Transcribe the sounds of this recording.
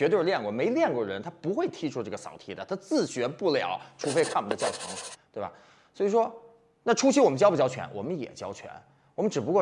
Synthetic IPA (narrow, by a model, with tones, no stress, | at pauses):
ɥɛ˧˥t̪̬ljɛ˥˩ŋkwɔ˥˩me˧˥ɪljɛ˥˧nkwɔ˥˩ɻə˧˥nt̪ʰa˥pu˧˥xwe˥˩ɪt̪ʰi˥ʈ͡ʂʰu˥ʈ͡ʂɤ˥˩ɡə˩sɑ˨˩ʊt̪ʰi˧˥d̪ə˨˩t̪ʰa˥t͡sɹ̩˥˩t͡ɕɥɛ˧˥pu˥˩ljɑ̰˨˩˦ʊʈ͡ʂʰu˧˥˩fe˥˧ɪkʰa˥˩wm˦nə˧t͡ɕjɑ˥˩ʊʈ͡ʂʰɑ˧˥ŋ˨t̪we˥˩ɪbɐ̰˩ | swɔ˧˥i˨˩ʂwɔ˥ | na˥˩ʈ͡ʂʰu˥t͡ɕʰi˥wɔ˨˩m˦nt͡ɕjɑ˥ʊpu˥˩t͡ɕjɑ˥ʊt͡ɕʰɥɛ̰˧˥nwɔ̰˨˩mə˦njɛ̰˨˩t͡ɕjɑ˥ʊt͡ɕʰɥɛ̰˧˥n | wɔ˨˩mə˦nʈ͡ʂɻ̩˨˩pu˧˥kwɔ˥˩